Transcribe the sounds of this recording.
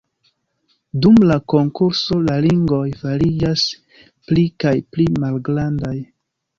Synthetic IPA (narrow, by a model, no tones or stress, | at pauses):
dumlako̞ŋkuɾso̞laliŋɡo̞jfaɾid͡ʒas | plikajplimalɡɾandaj